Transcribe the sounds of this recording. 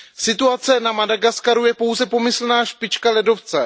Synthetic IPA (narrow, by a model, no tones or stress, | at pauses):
sɪt̪uat͡sɛnamadaɡaskaɾujɛpo̞wzɛpo̞mɪsl̩naːʃpɪt͡ʃkalɛdo̞ft͡sɛ